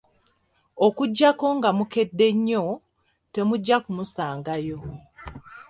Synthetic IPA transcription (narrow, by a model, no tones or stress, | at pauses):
okuɟːako̞ŋɡamuke̞dːe̞ɲːo̞ | te̞muɟːakumusaːŋɡajo̞